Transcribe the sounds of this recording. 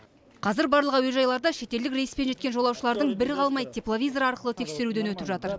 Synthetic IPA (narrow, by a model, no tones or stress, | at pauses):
qʰɑzɪɾbɑɾlˠəʁəwɵj̪ʒɑjlˠɑɾd̪ɑʃe̞t̪e̞ld̪ɪkɾʲejəspe̞nʒet̪kʲe̞nʒolˠɑwʃəlˠɑɾd̪əɴbɪɾɪqʰɑlˠmɑjt̪ʰeplˠovʲijzoɾɑɾqəlˠət̪ʰe̞kse̞ɾud̪enwɵt̪ɪpʒɑt̪əɾ